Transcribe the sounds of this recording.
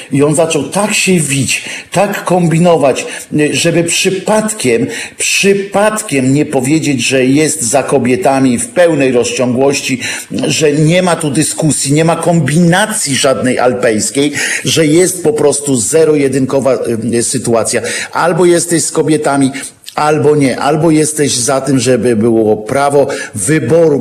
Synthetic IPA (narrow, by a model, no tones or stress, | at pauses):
iɔnzat͡ʂɔwt̪akɕɛvʲit͡ɕt̪akːɔmbʲinɔvat͡ɕʐɛbɘpʂɘpat̪kʲɛmpʂɘpat̪kʲɛmɲɛpɔvʲjed͡ʑed͡ʑʐɛjɛst̪zakɔbʲjɛt̪amʲifpɛwnɛjɾɔst͡ɕɔŋɡwɔɕt͡ɕiʐɛɲɛmat̪ud̪ɘskusʲjiɲɛmakɔmbʲinat̪sʲjiʐad̪nɛjʔa̰lpɛjskʲejʐɛjɛst̪̚pɔpɾɔst̪uzɛɾɔjɛd̪ɘŋkɔvasɘt̪uat̪sʲjaʔalbɔjɛst̪ɛɕskɔbʲjɛt̪amʲi | albɔɲɛʔa̰lbɔjɛst̪ɛʑzat̪ɘmʐɛbɘbɘwɔpɾavɔvɘbɔɾu